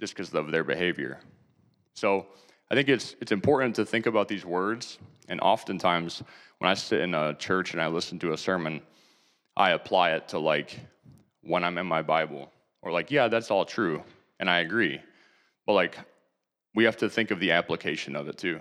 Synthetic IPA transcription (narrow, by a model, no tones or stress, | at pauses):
ʒ̥ʌskʰʌzʌvðə˞bɨ̰heɪvjə̰˞ | soʊ | aɪθɪ̃ŋkɨtsɨtsɨ̃mpʰɔɹʔn̩tʰɨθɪ̃ŋkɨbaʊt̪̚ðizwɜ˞dz̥ | ɨ̃nʔɑ̰fɨ̃ntʰãɪ̃mz̥wə̰̃naɪsɪɾɨ̰̃nət͡ʃʰɜ˞t͡ʃɨ̃naɪlɪsn̩tʰɨːsɜ˞mɨ̃n | ʔa̰ɪɨpʰl̥aɪɪtʰəlaɪk | wə̃ãɪ̃mɨ̃nmaɪbaɪbl̩ˠ | ʔə˞laɪkjæðætsɔlˠtʰɹ̥ʉ | ʔɨ̃naɪɨɡɹi | b̥ʌt̚ˡlaɪk | wihæftɨθɪ̃ŋkʌvðiæpləkʰeɪʃɨ̃nʌvɨtʰʉ